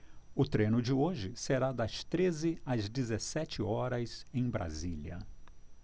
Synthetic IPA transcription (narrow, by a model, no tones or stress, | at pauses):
ʊt̪ɾẽnʊd͡ʒɪoʒɪseɾad̪ɐst̪ɾezɪɐzd͡ʒɪzesɛt͡ʃɪɔɾɐzẽj̃bɾa̰ziliɐ̰